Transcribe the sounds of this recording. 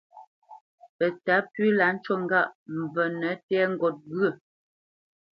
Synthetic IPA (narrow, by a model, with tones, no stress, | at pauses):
pə˨ta˨˦pɥi˦la˨˦n̩˦t͡ʃɔ˦ŋ˦ɡa˦˨ʔm̩˨bə˨nə˨˦tɛ˦ŋ̩˦ɡɔ˨t̚ɡɰə˨